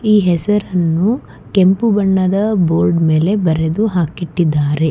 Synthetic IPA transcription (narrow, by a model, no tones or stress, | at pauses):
iːɦɛsɐɾɐnːu | kempubɐɳːɐd̪ɐboːɾɖme̞ːle̞bɐɾed̪uɦaːkiʈːid̪ːaːɾe̞